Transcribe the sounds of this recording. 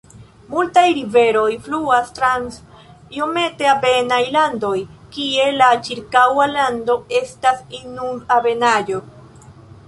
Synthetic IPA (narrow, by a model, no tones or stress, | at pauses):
multajɾive̞ɾo̞jfluastɾans | jome̞te̞abe̞najlando̞jkie̞lat͡ʃiɾkawalando̞e̞stasinuabe̞nad͡ʒo̞